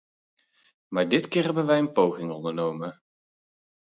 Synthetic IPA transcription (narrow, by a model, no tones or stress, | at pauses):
maːɹdɪtkɪːɹɦɛbənʋɛjənpowχɪŋɔndəɹnowmən